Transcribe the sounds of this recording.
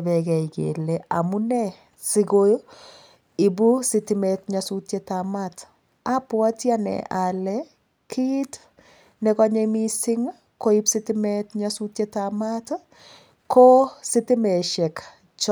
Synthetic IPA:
bɛkɛikḛlɛa̰munɛ | siɡojo | ibusɪtɪmɛtɲasutjetamat | apwatjanɛ̰ʔalɛ | kʰit | nɛkɔɲemisɪŋa | koipsitɪmɛtɲasutjetamat | kositɪmɛʃɛk | t͡ʃ

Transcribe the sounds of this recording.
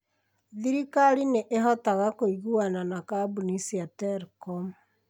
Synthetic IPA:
ðiɾikaɾineʔeɦɔtaɣakoiɣuananakabunisiatɛɾkɔm

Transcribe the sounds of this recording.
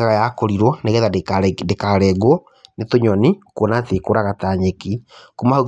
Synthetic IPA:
aɣajakoɾiɾɔneɣɛðadekaɾɛɡo | netoɲɔnikonatekoɾaɣataɲekikomahoɣ

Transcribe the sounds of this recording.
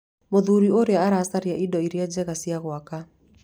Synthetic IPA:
moðuɾioɾeaaɾasaɾiaʔidɔiɾjad͡ʒɛɣasiaɣwaka

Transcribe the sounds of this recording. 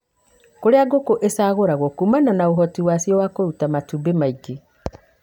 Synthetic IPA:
koɾeaɡokoʔesaɣoɾaɣokumananaoɦɔtiwasiɔwakoɾutamatubemaiɡe

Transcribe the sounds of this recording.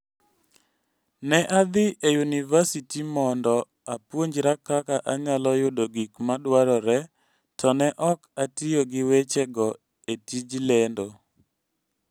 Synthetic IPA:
nɛʔad̪ɪʔejunivasitimɔndɔ | apwoɲd͡ʒɾakakaʔaɲalɔjʊdoɡikmadwaɾɔɾɛ | tʰɔnɛʔɔkatijoɡɪwet͡ʃɛɡɔ | etid͡ʒlendo

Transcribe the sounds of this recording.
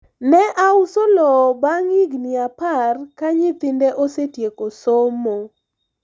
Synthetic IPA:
nɛʔausolɔbaŋiɡniaparkaɲɪt̪ɪndeʔosetjekosomo

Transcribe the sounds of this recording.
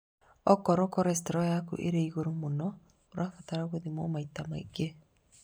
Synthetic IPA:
ɔkɔɾɔkɔɾɛs̬tɛɾɔjakṵʔḛɾeiɣoɾomonɔ | oɾafataɾaɣoðimomaitama̰ḭɡe

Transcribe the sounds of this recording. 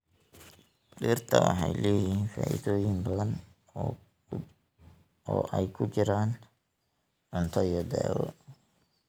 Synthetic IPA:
ɖiːrt̪ʰɐwɑħɑjlɛjiːnfaːʔḭðɔːjɪnbɐðɐn | ɔːʔɛjkʰʊt͡ʃɪɾaːn | ʕʊnt̪ʰɔjɔd̪ɛ̰ːwɔ̰

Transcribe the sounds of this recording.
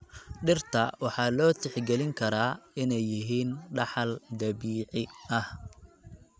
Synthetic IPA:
ɖɪrt̪ʰɐwɑħɑːlɔːt̪ʰɪħɡɛlɪŋkʰɐɾaːɪnɛjːɪɦiːnɖɑħɑld̪ɐbiːʕɪɐh

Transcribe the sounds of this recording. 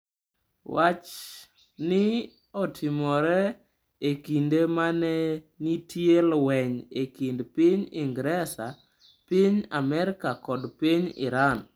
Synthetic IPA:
wat͡ʃ | nɪ | otʰɪmɔɾɛ | ekindemanɛ | nitʰjelwɛɲekindpiɲɪŋɡɾɛsa | piɲamɛɾɪkakɔdpiɲɪ̰ɾan

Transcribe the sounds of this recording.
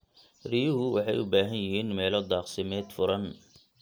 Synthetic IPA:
rijʊɦʊwɑħɑjʊbaːɦɐnjɪɦiːnmɛːlɔd̪ɑːqsɪmɛːd̪fʊɾɐn

